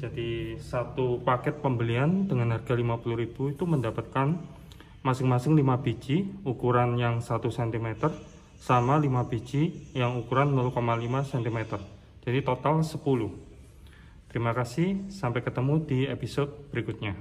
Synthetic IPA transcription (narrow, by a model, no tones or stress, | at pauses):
d͡ʒadisat̪upakɛt̪̚pəmbəliandəŋanɦarɡ̥alimapuluɾib̥uit̪uməndapat̪̚kan | masɪŋmasɪŋlimabid͡ʒiukuɾanjaŋsat̪usɛnt̪imet̪ər | samalimabid͡ʒijaŋukuɾanmulukomalimasɛnt̪imɛt̪ər | d͡ʒ̥adit̪ot̪alsəpuluh | t̪əɾimakasɪhsampakət̪əmudiepisod̪̚b̥əɾikut̪̚ɲa